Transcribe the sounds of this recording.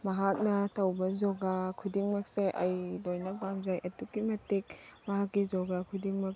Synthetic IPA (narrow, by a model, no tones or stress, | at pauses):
mɐɦak̚nɐtawbɐzɔɡakʰudiŋmɐk̚seʔajlojnɐbamzajʔɐtukːimɐtik̚mɐɦakːizɔɡakʰudiŋmɐk̚